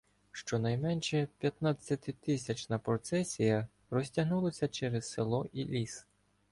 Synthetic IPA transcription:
ʃt͡ʃɔnɐjmɛnʲʃɛpʲjɐt̪nat͡sʲːɐt̪ɪt̪ɪsʲɐt͡ʃnɐpɾɔt̪sɛsʲijɐ | rɔsʲtʲɐɦnulˠɐsʲɐt͡ʃɛɾɛzselˠɔʔilʲis

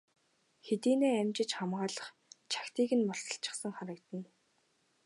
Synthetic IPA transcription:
xet̪iːneːæmt͡ɕɪ̆t͡ɕχamɢaːɮə̆χ | t͡ɕʰḁkt̪iːɣɘ̆nmɔɬt͡sə̆ɬt͡ɕɪ̆χsə̆ŋχaɾə̆kt̪ə̆n

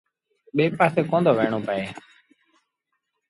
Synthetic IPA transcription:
ɓeːpaːseːkõːnd̪ʱoːʋeːɳ̃oːpəeː

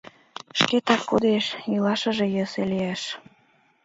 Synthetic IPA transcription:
ʃket̪ɑkːud̪eʃjilɑʃə̆ʒĕjə̆seliæʃ

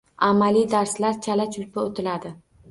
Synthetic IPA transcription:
amalid̪aɾslaɾt͡ʃʰalat͡ʃʰʊlpaot̪ʰɪlad̪ɪ

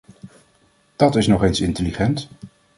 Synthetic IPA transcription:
d̥ɑtɪsnɔχensɪntəliχɛnt

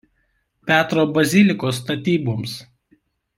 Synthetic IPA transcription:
pʲæːt̪ɾoːbɐzʲɪlʲɪkoːs̬t̪ɐt̪ʲiːbums

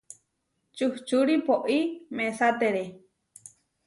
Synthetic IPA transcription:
t͡ʃuht͡ʃuɾipoʔimẽsat̪eɾe

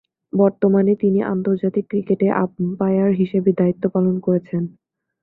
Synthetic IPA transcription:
bɔɾt̪omanet̪iniʔa̰nt̪oɾd͡ʑat̪ikːɾikeʈeʔa̰ppajaɾɦiʃebed̪ait̪ːopalonkoɾet͡ɕʰen

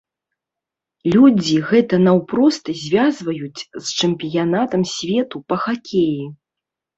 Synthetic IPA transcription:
lʲud͡zʲiɣɛt̪ɐnawpɾɔst̪ɨzʲvʲazvɐjut͡sʲst͡ʂɨmʲpʲijanat̪ɐmsʲvʲɛt̪upɐxakʲʰeji

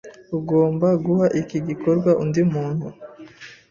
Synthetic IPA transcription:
uɡoːmbaɡuhaʔikiɡikoɾɡwaʔundimuːnhu

